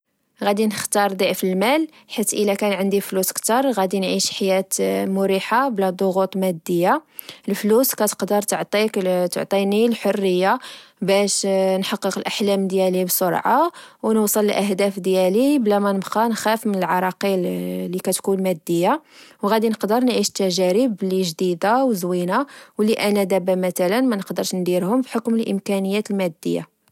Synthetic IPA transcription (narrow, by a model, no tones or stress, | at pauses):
ɣæd̪inəxt̪ɑɾˤd̪ˤiʕfəlmæl | ħit̪ːʔəlækænʕənd̪ifluskt̪ɑɾˤɣæd̪inʕiʃħajæt̪mʊɾiħablæd̪ˤoɣut̪ˤmæd̪ːəjːa | əlfluskæt̪ə̥qd̪əɾˤt̪əʕt̪ˤikt̪o̰ʕt̪ˤinilħorːəjːabæʃnħɑqːəqəlʔaħlæmd̪jælibsoɾˤʕawnusˤələlʔæɦd̪æfd̪jæliblæmænəbqɑnxæfmənəlʕɑɾˤɑqilːikæt̪kunmæd̪ːəjːawɣæd̪inəqd̪əɾˤnʕiʃə̥t̪ːæʒæɾəbliʒd̪id̪awzwinawliʔænæd̪æbæmæt̪ælənmænəqd̪əɾʃnd̪iɾhʊmbħokməlʔə̰mkænəjːæt̪əlmæd̪ːə̰jːa̰